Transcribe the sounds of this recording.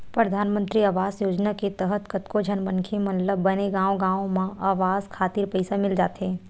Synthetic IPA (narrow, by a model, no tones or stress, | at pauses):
pɾɐd̪ʱaːnmə̃nt̪ɾiaʋaːzjoːd͡ʒnaket̪əɦət̪kɐt̪kod͡ʒʱənmənkʰemɐlləbːɐneɡãːõɡãːõmãaːʋaːzkʰaːt̪ɪɾpəɪsamɪld͡ʒaːt̪ɦeː